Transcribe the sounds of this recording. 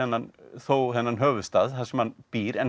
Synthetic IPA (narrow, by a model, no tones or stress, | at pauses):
ɛnːanθowhɛnːanɦœːvʏst̪aːðθḁsɛmhanpiːɾɛn